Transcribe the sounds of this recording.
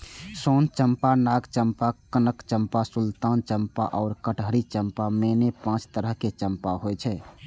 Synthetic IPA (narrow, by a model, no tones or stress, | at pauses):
sont͡ʃəmpanaɡt͡ʃəmpakənəkt͡ʃəmpasult̪ant͡ʃəmpa̰ʔɔːɾkəʈʰɦəɾit͡ʃəmpamenepãt͡ʃt̪əɾəɦket͡ʃəmpaɦojt͡ʃʰɛ